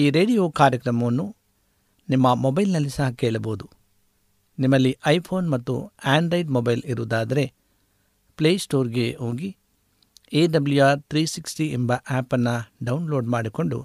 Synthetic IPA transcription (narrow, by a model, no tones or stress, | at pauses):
iːɾe̞ːɖijoːkaːɾjɐkɾɐmɐʋɐnːu | nimːɐmɔbɐjlnɐlːisɐɦɐkeːɭɐboːd̪u | nimːɐlːiʔɐjpʰo̞ːnmɐt̪ːṵaːɳɖɾɐjɖmobɐjliɾuʋɐd̪aːd̪ɐɾe̞ | pleːsʈo̞ːɾɡe̞oːɡi | eːɖɐblujaːɾt̪ɾiːsiksʈiembɐʔaːpɐnːɐɖɐwnlo̞ːɖmaːɽiko̞ɳɖṵ